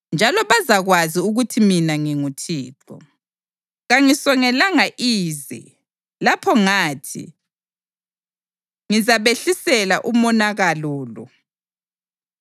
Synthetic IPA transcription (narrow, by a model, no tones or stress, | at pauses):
nd͡ʒʱalɔβazaɣwaziuɣutʰiminaŋiŋutʰiːǁɔ̰ | ɣaŋisɔŋɛlaŋaʔiːzɛ̰ | lapʰɔŋaːtʰḭ | ŋizaβeɬisɛla̰ʔumɔnaɣaluːlɔ̰